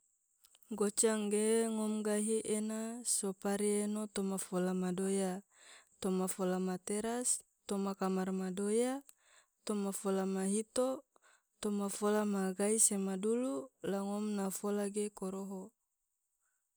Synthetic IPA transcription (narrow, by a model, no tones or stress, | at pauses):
ɡot͡ʃaŋɡeŋɔmɡaɦiʔenasopaɾienot̪omafolamadoja | t̪omafolamat̪eɾas | t̪omakamarmadoja | t̪omafolamaɦit̪o | t̪omafolamaɡaisemadululaŋɔmnafolaɡekoɾoɦo